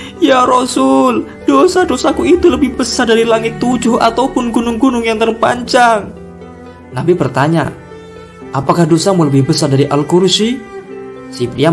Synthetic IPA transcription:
jaɾosʊl | d̥osadosakuit̪uləbɪhbəsadaɾilaŋɪt̪ːud͡ʒʊɦa̰t̪awpʊnɡunʊŋɡunʊŋjaŋt̪ərpa̰ɲt͡ʃaŋ | nabipərt̪aɲa̰ | ʔapakahdosamuləbɪhbəsardaɾiʔalkuɾusi | sipɾia

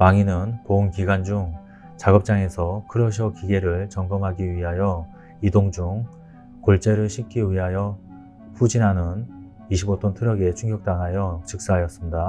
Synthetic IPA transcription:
paŋinɯnpounkiɡand͡ʑuŋ | t͡ɕaɡʌp̚t͡ɕ͈aŋe̞sʰʌkʰɯɾʌɕ̬ʰʌkiɡe̞ɾɯɭt͡ɕʌŋɡʌmɦaɡiɥiɦajʌ | idoŋd͡ʑuŋ | koɭt͡ɕ͈e̞ɾɯɭɕʰik͈iɥiɦajʌ | ɸud͡ʑinɦanɯn | iɕʰibot͈ʰontʰɯɾʌɡe̞t͡ɕʰuŋɡjʌk̚t͈aŋɦajʌt͡ɕɯk̚s͈aɦajʌs͈ɯmɲida

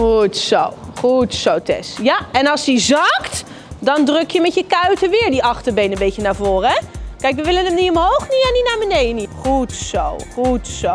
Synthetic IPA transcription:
utsowχutsowtɛ̰sjaɛnɑlˠsdizɑkt | dɑndrøkjəmɛtjəkœɥtəʋɪːɹdiʔɑχtəɹbejnənbejtənaːɹvoːrəɛkɛjkʋəʋɪlənəmniɔmɦowχniɛninaːɹbənejdəniχutsowχutso

